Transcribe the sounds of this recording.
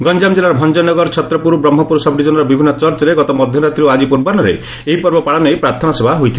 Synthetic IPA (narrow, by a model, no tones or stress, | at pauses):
ɡɔnd͡ʒamd͡ʒelaɾɔbʱɔnd͡ʒɔnɔɡɔɾt͡ʃʰɔt̪ɾɔpuɾubɾɔmːɔpuɾusabɖid͡ʒɔnɔɾɔbibʱinːɔt͡ʃɔɾt͡ʃɔɾeɡɔt̪ɔmɔd̪ʱjɔɾat̪ɾioad͡ʒipuɾbanɔɾḛ | eɦipɔɾbɔpaɽɔnɔjpɾaɾt̪ʰɔnasebʱaɦujt̪ʰil